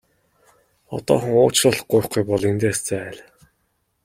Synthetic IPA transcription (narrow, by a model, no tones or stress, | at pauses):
ɔt̪ɔ̰ːχə̆ŋʊːt͡ɕrə̆ɮɢʊj̆χɡujpɔɮent̪eːst͡sææːɮ